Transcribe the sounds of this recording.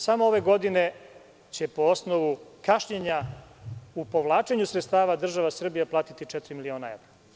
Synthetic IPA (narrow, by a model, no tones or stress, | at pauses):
samooʋe̞ɡo̞d̪ine̞ | t͡ɕe̞po̞osnoʋukaʃɲeɲa | upo̞ʋlˠaːt͡ʃe̞ɲusɾet̪st̪aːʋad̪r̩ʒaʋasr̩bijaplaːt̪it̪it͡ʂɛt̪ɾimilio̞ːnaḛʋɾa